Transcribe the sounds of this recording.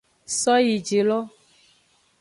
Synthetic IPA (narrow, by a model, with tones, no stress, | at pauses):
sɔ˦ji˨d͡ʒe˨lɔ˦